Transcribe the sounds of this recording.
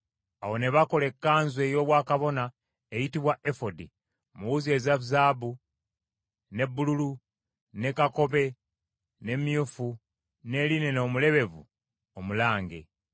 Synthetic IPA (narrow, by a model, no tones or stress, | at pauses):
awo̞ne̞βako̞le̞kːaːnzwe̞ːjo̞ːβwaːkaβo̞na | ejitiβwaʔefo̞di | muwuzie̞ːzaβuzaːbu | ne̞bːululu | ne̞kako̞βe̞ | ne̞mjufu | ne̞line̞no̞ːmule̞βe̞vṵ | omulaːŋɡe̞̰